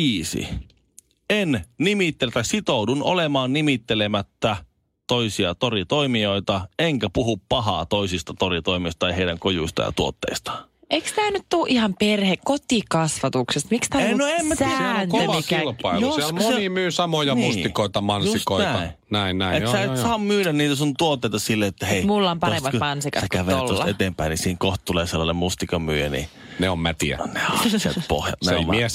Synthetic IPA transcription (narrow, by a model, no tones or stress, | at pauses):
iːsḭ | ennimit̪ːelt̪æsit̪ouduno̰lemɑːnnimit̪ːelemæt̪ːæ | t̪oisiɑt̪orit̪oimioit̪ɑeŋkæpuhuppɑɦɑ̰ːt̪oisist̪ɑt̪orit̪oimist̪ɑt̪ɑiheiɾæŋkojṵist̪ɑ̰jɑ̰t̪uo̰t̪ːḛist̪ɑ̥ | ʔeikst̪æːnyt̪t̪uːʔihɑmperhekkot̪ikɑsʋɑt̪uksest̪mikst̪æːnoemːæsæːnk̪ʋɑkilpɑiljosisælmosenimyːsɑmojɑnusikoit̪ɑmɑnsusitkontæɑi | næinnæiessæt̪sɑːmmyːdænniːt̪æsunt̪uot̪ːeˑit̪ɑsilːeet̪ːæheimulːɑompɑremːɑtmɑnsikɑsækæʋeolosːɑet̪empæinisiːŋkoht̪t̪uleːselːɑnemmust̪ikɑmyːjenḭ | neommæt̪iæ̰nehɑsḛt̪̚po̰hjɑ̰t̪neo̰mmmies